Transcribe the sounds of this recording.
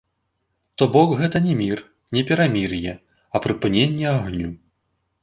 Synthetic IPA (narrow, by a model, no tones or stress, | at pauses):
t̪ɔbɔkɣɛt̪ɐnʲɛmʲir | nʲɛpʲɛɾamʲirjɛ | ɐpɾɨpɨnʲenʲːɛaɣnʲu